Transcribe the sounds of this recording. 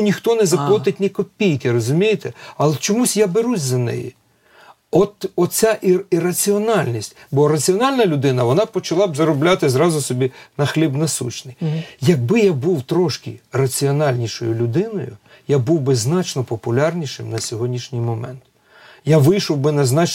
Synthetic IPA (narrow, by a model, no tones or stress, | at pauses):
nʲixt̪ɔnɛzɐplˠɔt̪ɪtʲnɪkɔpʲijkɪɾɔzʊmʲijet̪ɛɐlˠt͡ʃɔmusʲjabeɾusʲzɐnɛ̰jḭ | ɔt̪ɔt͡sʲaʔiirɐt͡sʲiɔnɑlʲnʲisʲtʲbɔɾɐt͡sʲiɔnɑlʲnɐlʲʊd̪ɪnɐʋɔnɑpɔt͡ʃɐlˠɑbzɐɾɔblʲat̪ɪzɾɑzʊsɔbʲinɐxlʲibnɐsṵt͡ʃnɪjjɐɡ̚bɪjabuwt̪ɾɔʃkɪrɐt͡sʲiɔnɑlʲnʲiʃɔ̰jʊlʲʊd̪ɪnɔjʊ̰ | jabuwbɪznɑt͡ʃnɔpɔpʊlʲɑrnʲiʃɪmnɐsʲɔɦɔdʲnʲiʃnʲijmɔmɛ̰nt̪ | jaʋɪjʃɔwbɪnɐznɑt͡ʃ